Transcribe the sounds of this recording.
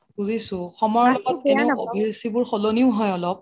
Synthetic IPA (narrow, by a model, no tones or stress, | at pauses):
ɡuzisʊ̃xɔmɔɹlɔkɔt̚ɛnɛʊo̰bʱiɹsibʊɹxɔloniʊɦɔjɔlɔp̚